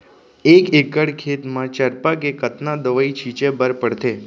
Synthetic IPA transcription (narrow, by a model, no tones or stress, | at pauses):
ekekəɽkʰet̪mãt͡ʃəɾpakekət̪nad̪əʋəit͡ʃʰit͡ʃebəɾpəɽt̪e